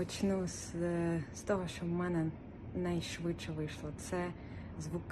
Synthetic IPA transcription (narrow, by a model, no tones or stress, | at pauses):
ɔt͡ʃnus | st̪ɔɦɔʃt͡ʃɔwmɛnɛ | nɐjʃʋɪt͡ʃɛʋɪjʃlˠɔt̪sɛ | zʋuk